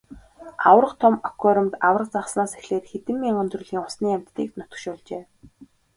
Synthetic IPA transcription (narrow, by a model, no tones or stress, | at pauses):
a̰wə̆rə̆t̪ʰʊmɔkʰɔɾə̆mt̪aw̆rə̆qt͡saχsnaːsexɮeːtxet̪ɘ̆mːiːŋɵnt̪rʊ̆ːɮiːŋʊsniːæm̥ʲt̪ːiːk̚nʊt̪ə̥̆kʃʊːɮt͡ɕeː